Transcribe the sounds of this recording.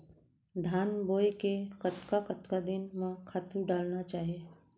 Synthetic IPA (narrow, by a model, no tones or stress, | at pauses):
d̪ʱaːnboːjkekət̪kakət̪kad̪ɪnmãkʰaːt̪uɖaːlnat͡ʃaːɦie